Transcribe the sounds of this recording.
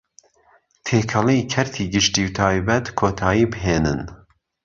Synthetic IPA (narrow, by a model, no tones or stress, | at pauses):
t̪ʰeːkʰɐlikʰɛɾt̪ʰiːɡɨʃt̪iːwt̪ʰɑːjbɛt̪kʰoːt̪ʰɑːjiːbɨɦeːnɨn